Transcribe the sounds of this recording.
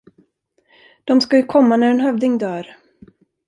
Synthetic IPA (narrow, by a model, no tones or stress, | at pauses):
d̪̥ɔmskajɵkʰɔmːanæɾɛnɦœvd̪ɪŋd̪œːɾ